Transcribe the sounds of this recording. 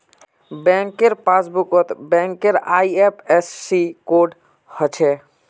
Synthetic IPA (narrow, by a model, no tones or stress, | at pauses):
bɛ̃ŋkːeɾpasbukət̪bɛ̃ŋkːeɾaiepʰesːikoɖ | hət͡ʃʰɛ